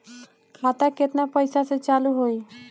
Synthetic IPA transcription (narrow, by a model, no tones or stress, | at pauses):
kʰat̪aket̪napəjsaset͡saluɦoi